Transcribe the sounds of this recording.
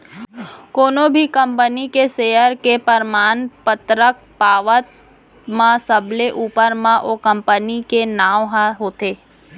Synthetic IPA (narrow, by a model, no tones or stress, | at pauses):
koːnõbʱikɐ̃mpənikeseːəɾkepəɾmaːnpət̪ɾək̚ | paːʋət̪̚ | mãsəbleʔuːpəɾmãʔoːkə̃mpənikenaːʋɦaɦoːt̪eː